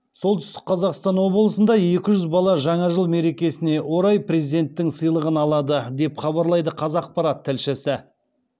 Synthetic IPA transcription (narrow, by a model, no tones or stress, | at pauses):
so̞lˠt̪ʏst̪ɪ̥q̚qʰɑzɑqst̪ɑnwo̞blˠəsənd̪ɑje̞kʲɪʒʏzbɑlˠɑʒɑɴɑʒəlˠme̞ɾe̞kʲe̞sɪne̞wo̞ɾɑjprʲezid̪e̞nt̪ːɪŋsəjlˠəʁənɑlˠɑd̪əd̪e̞pχɑβɑɾlˠɑjd̪əqʰɑzɑq̚pɑɾɑt̪ʰːɪlʃɪsɪ